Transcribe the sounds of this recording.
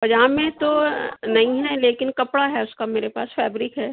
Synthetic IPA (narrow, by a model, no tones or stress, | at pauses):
pɐd͡ʒaːmẽt̪onɐɦĩɦɛleːkɪnkɐpɽaɦɛʊskameːɾepaːsfɛːbɾɪkɦɛː